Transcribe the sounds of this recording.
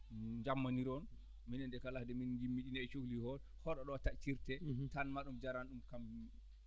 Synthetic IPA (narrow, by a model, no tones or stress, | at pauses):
d͡ʒamːaniɾɔn | minɛndɛkalahdɛmind͡ʒimːiɗinɛt͡ʃuklihɔl | hɔɗɔɗɔwatat͡ʃːiɾtɛtanmaɗumd͡ʒaɾanɗumkambimiɗi